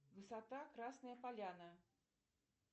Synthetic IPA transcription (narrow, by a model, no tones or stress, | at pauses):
vɨsat̪akɾasnɨjəpalʲanɨ